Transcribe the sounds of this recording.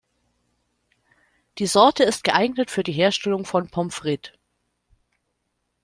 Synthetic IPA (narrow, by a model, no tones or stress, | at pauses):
d̥iːzɔɐtʰəɪst̚ɡ̥əʔaɪɡnətfyːɐdiːɦeːɐʃtɛlʊŋfɔnpʰɔmfʁ̥ɪt